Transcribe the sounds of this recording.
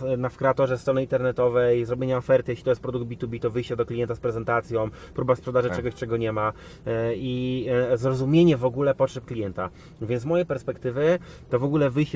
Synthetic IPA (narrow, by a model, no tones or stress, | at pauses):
nafkɾɛat̪ɔʐɛst̪ɾɔnɘint̪ɛɾnɛt̪ɔvɛjzɾɔbʲjeɲaɔfɛɾt̪ɘjeɕlʲit̪ɔjɛst̪̚pɾɔd̪uɡd̪̚bʲit̪ubʲit̪ɔvɘjɕt͡ɕɛd̪ɔklʲijɛnt̪aspɾɛzɛnt̪at̪sʲjɔ̃w̃ | pɾubaspʂɛd̪aʐɛt͡ʂɛɡɔɕt͡ʂɛɡɔɲɛma | izɾɔzumʲjeɲɛvɔɡulɛpɔtʂɛp̚klʲijɛnt̪a | vʲjɛnmɔjejpɛɾspɛkt̪ɘvɘt̪ɔvɔɡulɛvɘjɕt͡ɕ